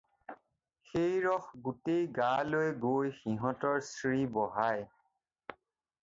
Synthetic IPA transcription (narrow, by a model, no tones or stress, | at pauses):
xejɹɔxɡutejɡalojɡojxiɦɔ̃tɔɹsɹibɔɦaj